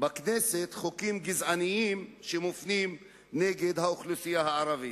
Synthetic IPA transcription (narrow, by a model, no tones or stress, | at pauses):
bakneset̪χokimɡizʕaniimʃemofnim | neɡed̪haoχlusijahaaɾavi